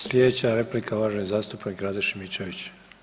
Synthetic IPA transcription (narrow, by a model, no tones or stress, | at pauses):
slʲjed̪et͡ɕaɾe̞plikʰaoʋaːʒnizaːst̪upnikɾaːd̪eʃimit͡ʃeʋit͡ɕ